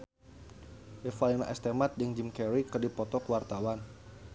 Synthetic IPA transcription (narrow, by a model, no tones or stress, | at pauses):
bɛfalina̰ʔɛst̪emat̪̚dəŋd͡ʒimkɛɾikərdipɔt̪ɔkəwart̪awan